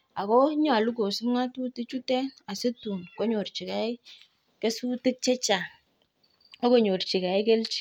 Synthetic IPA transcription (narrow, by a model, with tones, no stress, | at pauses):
a˨kɔ˦ɲɔ˦a˨lu˦ko˨sʊ˦m˦ŋa˦tu˦ti˦t͡ʃu˦tɛ˦na˨se˦tu˨nkɔ˦ɲo˨rt͡ʃi˨kɛ˨˦ɪ˦ | kɛ˦su˦tɪ˦t͡ʃɛ˦t͡ʃa˨ | ɔ˦ko˨ɲo˨rt͡ʃi˨ka˨ɪ˦kɛ˦lt͡ʃi̥˦